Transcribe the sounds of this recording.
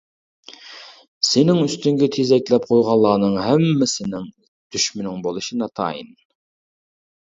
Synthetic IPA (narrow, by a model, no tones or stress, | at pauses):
senɪŋyst̪yŋɡʲɛt̪ʰezɛkʲlɛp̚qʰojʁɑnlˠːɑːnɨŋɦɛmːɪsɪnɪŋ | d̪̥yʃmynɪŋbolˠɨʃinɑt̪ʰɑ̰jḭn